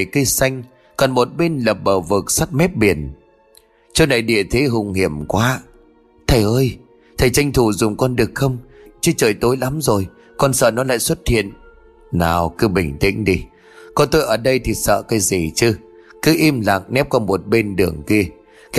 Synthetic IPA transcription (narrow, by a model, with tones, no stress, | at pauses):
jki˧əsa˧jŋ̟ | kɔ˨˩nmo˨˩t̚ɓe˧nlə˨˩p̚ɓəː˨˩wvɨ˨˩k̚sa˦˥t̚mɛ˦˥p̚ɓi˨˧˩ən | t͡ɕə˧wna˨˩jɗḭ˧˨ət̪ʰe˨˦ɦʊ˨˩ŋ͡mhi˧˩əmkwaː˨˦ | t̪ʰə˨˩jʔəː˧j | t̪ʰə˨˩jt͡ɕa˧jŋ̟t̪ʰu˧˩zʊ˨˩ŋ͡mkɔ˧nɗɨ˨˩ək̚xə˧wŋ͡mt͡ɕɨ˧t͡ɕəː˨˩jt̪o˨˦jla˨˦mzo˨˩j | kɔ˧nsə̰ː˧˨nɔ˨˦la̰ː˧˨jswə˦˥t̚hḭ˧˨ən | naː˨˩wkɨ˨˦ɓï˧˨˩ŋ̟t̪ḭ˧˥ŋ̟ɗi˧ | kɔ˧˩nt̪o˧jʔəː˨˩ɗə˧jt̪ʰi˨˩sə̰ː˧˨ka˨˦zi˨˩t͡ɕɨ˧kɨ˨˦ʔi˧mla̰˧˨ŋnɛ˦˥p̚kɔ˧mo˨˩t̚ɓe˧nɗɨ˨˩əŋki˧ə | k